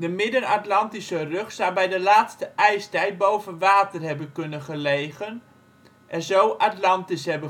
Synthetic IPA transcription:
dəmɪdənatlɑntisərøχsɑwbɛjdəlaːtstəʔɛjstɛjt̚bowvənʋaːtərɦɛbənkɵnəχəlejɣən | ʔɛnzowʔatlɑntisɦɛbə

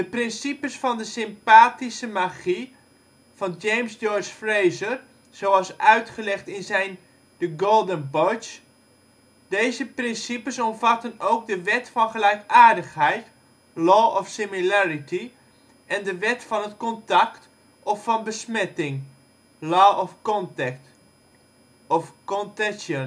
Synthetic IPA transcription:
d̥əprɪnsipəsfɔndəsɪmpaːtisəmaχi | fɑnd͡ʒejmsd͡ʒɔɹt͡ʃfrejzər | z̥owɑlˠsœɥtχəlɛχtɪnzɛjn | dəɡoːlˠdənbɔt͡ʃ | d̥ejzəprɪnsipəsɔmfatənowk̚dəʋɛtfɔnχəlɛjkaːrdəχɦɛjt | lɔːɔfsɪmilɛritʰi | ɛndəʋɛtfɔnətkɔntakt | ɔfːɔnbəsmɛtɪŋ | lɔːɔfkɔntɛkt | ɔfkɔntɛsən

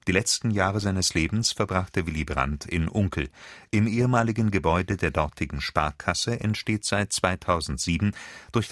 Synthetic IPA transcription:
d̥iːlɛt͡stn̩jaːʁəzaɪnəsleːbm̩sfɛɐbʁaχtəvɪlibʁa̰ntʰɪ̰nʔʊŋkl̩ʔɪmʔeːəmaːlɪɡn̩ɡəbɔʏdədeːɐdɔɐtʰɪɡŋ̩ʃpa̰ɐkʰasəʔɛntʃteːtz̥aɪt̚t͡sv̥aɪtʰaʊzn̩tz̥iːbm̩d̥ʊɐç̥

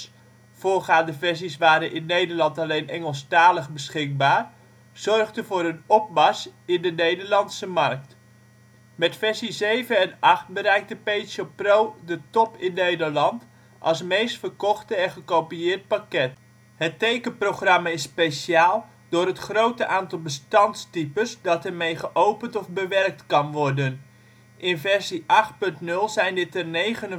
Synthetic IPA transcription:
fʊːɹχaːndəvɛɹsisʋaːɾənʔɪnːejdəɹlɑntalejnʔɛŋəlˠstaːləχbəsχɪk̚baːr | z̥ɔrχdəvʊːɾənɔp̚mɑsɪndənejdəɹlɑntsəmɑrk̚t | mɛtfɛɹsizejvəɛnɑχt̚bəɾɛjk̚təpejtsoprowdətɔpɪnːejdəɹlɑnt | ʔɑ̰lˠsmejstfərkɔχtəɛ̃χəkowpiɪːrt̚pakɛt | hətejkəproχrɑmaɪsːpejʃjaːlˠ | dʊːɾɦətχrowtəʔaːntɑlˠbəstɑntstipəsdɑtərmejχəʔowpəntɔvbəʋɛrk̚tkɑnʋɔrdən | ʔɪnfɛɹziʔɑχt̚pɵntnɵlˠzɛjndɪtərnejχən

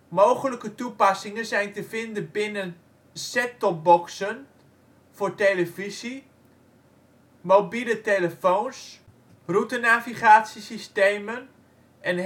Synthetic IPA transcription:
mowχələkətupɑsɪŋənzɛjntəfɪndəbɪnən | sɛtɔp̚bɔksən | foɹteləfisi | mobiləteləfowns | rutənaviχaːtsisisteːmən | ʔɛn

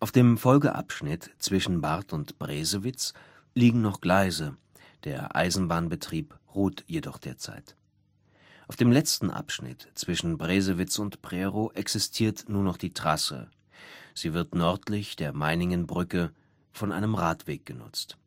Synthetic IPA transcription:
ʔaʊfd̥eːmfɔlɡəʔa̰pʃnɪtt͡sv̥ɪʃn̩baʁtʊntb̥ʁeːzəvɪt͡s | liːɡŋ̩nɔχɡ̥laɪzə | d̥eːɐʔa̰ɪzn̩baːnbətʁ̥iːpʁuːtjedɔχd̥eːɐt͡sa̰ɪt | ʔʔaʊfd̥eːmlɛt͡stn̩ʔa̰pʃnɪ̰tt͡sv̥ɪʃn̩bʁeːzəvɪt͡sʊntpʁ̥ɛːʁoʔɛksɪstʰiːɐtnuːɐnɔχd̥iːtʁ̥asə̰ | z̥iːvɪɐtnɔɐtlɪçd̥eːɐmaɪnɪŋənbʁʏkə | fɔnʔa̰ɪnəmʁaːtv̥eːk̚ɡ̥ənʊ̰t͡st

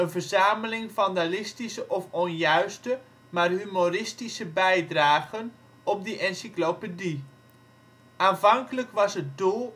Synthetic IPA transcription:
ənvərzaːməlɪŋvɑndalɪstisəʔɔfɔnjœɥstə | maːrɦymorɪstisəbɛjdraːɣən | ɔp̚dəʔɛnsiklopədi | aːnvɑŋkələkʋɑsət̚dulˠ

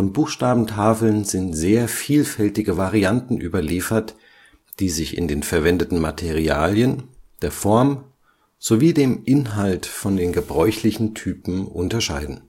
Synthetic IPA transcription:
fɔnbuːxʃtaːbm̩tʰaːfl̩nz̥ɪntz̥eːɐfiːlfɛltɪɡəvaʁiantn̩ʔyːbɐliːfɐt | d̥iːzɪçɪ̰ndeːnfɛɐvɛndətn̩matʰeʁiaːljənd̥eːɐfɔɐm | z̥oviːdeːmʔɪnɦaltfɔndeːnɡəbʁɔʏçlɪçn̩tʰyːpm̩ʔʊntɐʃaɪdn̩

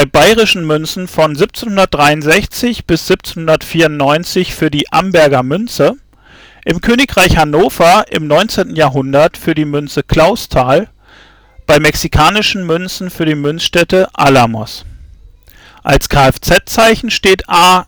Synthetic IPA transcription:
b̥aɪbaɪʁɪʃn̩mʏnsn̩fɔnzip̚t͡seːnhʊndɐt̚d̥ʁaɪʊntz̥ɛçt͡sɪçb̥ɪsz̥ip̚t͡senhʊndɐtfiːɐʊntnɔʏnt͡sɪçfyːɐdiːʔa̰mbɛɐɡɐmʏnt͡sə | ʔɪmkʰøːnɪkʁ̥aɪçhanoːfɐʔɪ̰mnɔʏnt͡seːntn̩jaːɐɦʊndɐtfyːɐdiːmʏnt͡səkʰl̥aʊstʰaːl | b̥aɪmɛksikʰaːnɪʃn̩mʏnsn̩fyːɐdiːmʏnsʃtɛtəʔalamɔ̰s | ʔalskʰaːɛft͡sɛt̚t͡saɪçn̩ʃteːtʔaː

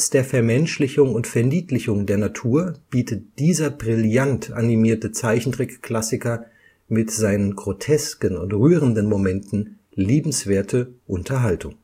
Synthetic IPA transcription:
sd̥eːɐfɛɐmɛnʃlɪçʊŋʊntfɛɐniːtlɪçʊŋdeːɐnatʰuːɐb̥iːtət̚d̥iːzɐbʁɪljantʰʔa̰nimiːɐtət͡saɪçn̩dʁɪkkl̥asɪkɐ | mɪtz̥aɪnənɡʁotʰɛskənʊntʁyːʁəndənmomɛntn̩ | liːbm̩sv̥eːɐtʰəʔʊntʰɐɦaltʰʊŋ

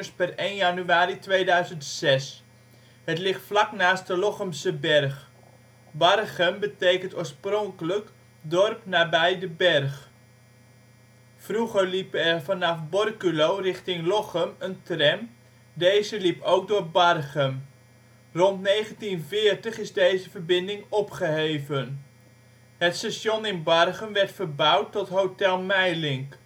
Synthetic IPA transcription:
əspɛrejnjanyaːɾitʋejdœɥzəntsɛs | hətlɪχtflɑknaːst̚dəlɔχəmsəbɛrχ | bɑrχəmbətejkəntoːɹsproŋkələk | dɔrpnaːbɛjdəbɛrχ | fruχəɹlipəɛrvɑnɑfbɔrkylowrɪχtɪŋlɔχəməntrɛm | dejzəlipowk̚dʊːɹbɑrχəm | rɔntnejχəntinvɪːrtəχɪzdejzəvəɹbɪndɪŋɔpχəɦejvən | ɦətstaʃɔnɪnbɑrχəmʋɛɹtfərbʌwtːɔtɦowtɛlˠmɛjlɪŋk

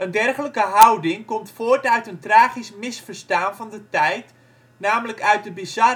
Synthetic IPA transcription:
ʔəndɛrχələkəɦawdɪŋkɔmtfoːrtœɥtəntraːχismɪsfərstaːnvɑndətɛjt | naːmələkœɥt̚dəbizɑ

